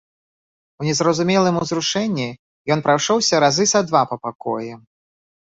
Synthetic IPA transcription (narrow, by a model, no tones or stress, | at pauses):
unʲɛzɾɐzumʲɛlˠɨmuzɾuʂɛnʲːi | jɔnpɾawʂɔwsʲɐɾazɨsad̪vapɐpakɔ̰jɛ